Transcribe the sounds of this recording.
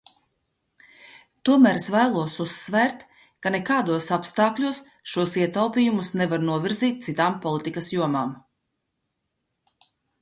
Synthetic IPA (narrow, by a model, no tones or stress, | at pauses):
t̪uɔmæːɾsvæːlˠuɔsusːvɛːɾt̪ | kanekaːd̪uɔsapst̪ɑːklʲuɔs | ʃuɔsiɛt̪awpʲiːjumusnɛvaɾnuɔvʲiɾziːt̪̚t̪sit̪aːmpɔlˠit̪ikɐsjuɔmaːm